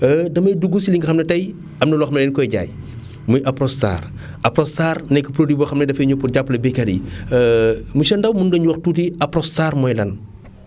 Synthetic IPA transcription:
dɐmɐjduɡusiliŋɡɐxɐmnɛtɐj | ɐmnɐlɔxmnɛlɛːnkɔjɟa̰ːj | mujʔɐpɾɔsta̰ːr | ɐpɾɔstaːrnɛjkːɐpɾodibɔxɐmnɛdɐfɐɲupurɟapːlɐbikɐdḭ | muʃɐndɐwmunɡɐɲuwɐxtuːtiɐpɾɔstaːrmɔːjlɐn

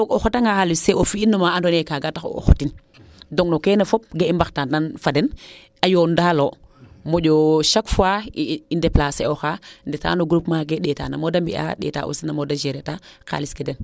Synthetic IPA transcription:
oxotaŋɡaxaliseʔofiinːomaandonekaɡataxo̰o̰xotin | doŋnokenafop̚ɡeimbaxtananfaden | ajondaːlomoɟoʃakfuaiindeplaseoxandeta̰ːnoɡɾupmaɡeɗeːta̰namodambḭa̰ɗḛːta̰ʔṵsinamodad͡ʒeɾetaka̰liskeden

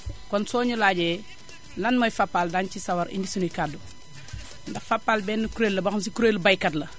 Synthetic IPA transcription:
kɔnsɔːɲulaːɟɛ | lɐnmɐjfapːaldant͡ʃisɐwɐɾḭndisunukadu | ndɐfapːaːlbɛːnːɐkuɾeːlːɐbɐxns̬ikuɾelbajkɐtlɐ

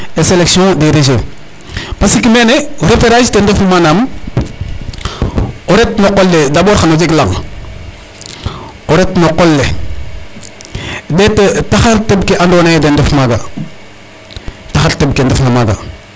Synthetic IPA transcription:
eseleksiõdeɾeʃ̬e | pasikimeneɾepeɾaʃtendefmanam | oɾetnoqolːedaboɾxanod͡ʒeklaŋ | oɾetnoqolːe | detetaxaɾtebkeʔandwonajedendefmaɡa | taxaɾtebkendefnamaɡa̰

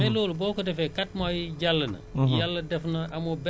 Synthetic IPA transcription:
ɛlɔːlubɔːkɔdɛfɛkat̚majɟalːɐnɐ̰jalːɐdɛfnɐʔɐmɔbɛ

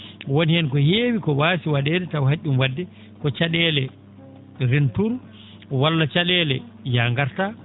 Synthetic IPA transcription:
woniɛnkɔheːwikɔwaːsiwaɗɛːdɛtawɦaʔʲːumwadːɛ | kɔt͡ʃaɗɛlɛ | ɾintuɾ | walːat͡ʃaɗɛːlɛ | jaŋɡaɾta

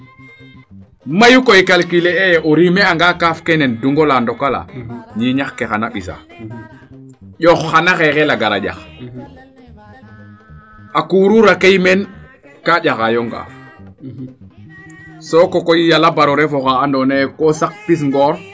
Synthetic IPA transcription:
majukojkalkileejʔoɾimeaŋɡakafkenenduŋɡolandɔkala̰ɲiɲaxkexanaɓis̬a̰ | ʄɔxːanaxexelaɡaɾa̰ɟa̰x | akuːɾuɾakejmen | kaɟaxajɔŋɡa̰ːf | sokokojjalabaɾɔɾefoxaːndɔnekosak̚pis̬ŋɡɔɾ

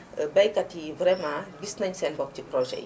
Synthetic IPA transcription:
bɛjkɐtivɾɛmãɡisnɐɲsɛnbɔk̚ciprɔʒɛ̰

